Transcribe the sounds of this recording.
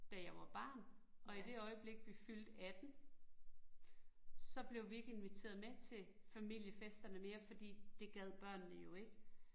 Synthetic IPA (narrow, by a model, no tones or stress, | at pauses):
d̥æjɑ̈ɪʋɑ̈b̥ɑ̰̈ːnʔɒ̽id̥e̝ɒ̽ɪəb̥le̝ɡ̥̚ʋifyld̥æd̥em | sɒ̽b̥le̝ʊʋie̝ɡ̥əe̝nʋit͡sʰe̝ːɐð̩ˠmet͡sʰe̝fæmil̰jəfesd̥ɐnəme̝ːɐfɒ̽d̥ḭːd̥e̝ɡ̥æð̞̰ˠb̥ɶɐ̰nːəjo̝e̝ɡ̥ə